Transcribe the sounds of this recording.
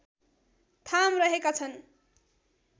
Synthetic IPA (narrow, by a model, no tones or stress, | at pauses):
t̪ʰamrʌɦekat͡sʰʌn